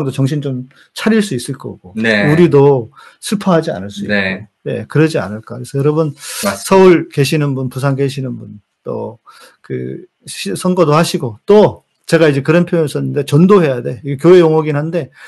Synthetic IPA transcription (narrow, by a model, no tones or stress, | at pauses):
ŋdot͡ɕʌŋɕ̬ʰint͡ɕom | t͡ɕʰaɾiɭs͈uis͈ɯɭk͈ʌ̰ɡ̥onuɾido | sʰɯpʰʌɦad͡ʑia̰nɯɭs͈uikone̞̰kɯɾʌd͡ʑia̰nɯɭk͈akɯɾesʰʌjʌɾʌbunsʰʌuɭke̞ɕʰinɯnbunpus̬ʰaŋke̞ɕʰinɯnbun | t͈o̰ | kɯ̰ | ɕʰisʰʌŋɡʌdohaɕʰiɡot͈o | t͡ɕe̞ɡaid͡ʑe̞kɯɾʌnpʰjojoŋes͈ʌnːɯnde̞t͡ɕʌndoɦe̞jade̞iɡekjoe̞joŋʌɡinɦande̞